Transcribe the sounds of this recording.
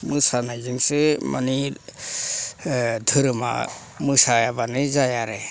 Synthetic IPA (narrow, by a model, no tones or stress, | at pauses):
mɯsanajzɯŋsema̰ni | d̪ʱɯɾɯma̰ | mɯsajabanɯzajaɾe